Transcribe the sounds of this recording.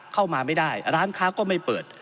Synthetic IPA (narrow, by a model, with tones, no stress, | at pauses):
kʰa˥˩wmaː˧ma˥˩jdaː˥˩jɾaː˦˥nkʰaː˦˥kɔː˥˩ma˥˩jpɤː˨˩t̪̚